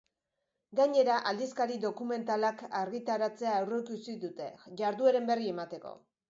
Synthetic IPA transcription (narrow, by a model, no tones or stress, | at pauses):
ɡaɲe̞ɾaʔald̪iskaɾiðo̞kume̞nt̪alakaɾɣit̪aɾat͡se̞aːwrekusiðut̪e̞ʝaɾðueɾe̞mbe̞rie̞mat̪e̞ko̞̰